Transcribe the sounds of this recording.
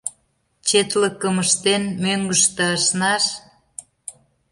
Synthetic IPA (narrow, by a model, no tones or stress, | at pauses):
t͡ɕet̪ləkːəməʃt̪enmøŋɡəʃt̪ə̆ːʃnɑʃ